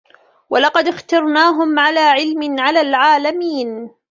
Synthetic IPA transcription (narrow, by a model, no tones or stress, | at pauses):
walɑqɑd̪ɪxt̪ɑɾˤnaːɦʊmʕalaːʕɪlmɪnʕalaːlʕaːlamiːn